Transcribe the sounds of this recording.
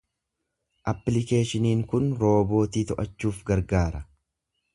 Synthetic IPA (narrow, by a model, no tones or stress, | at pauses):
ʔɐpːlɪke̞ːʃɪniːŋkʊnɾo̞ːbo̞ːt̪iːt̪ɔʔɐt͡ʃːuːfɡɐɾɡaːɾɐ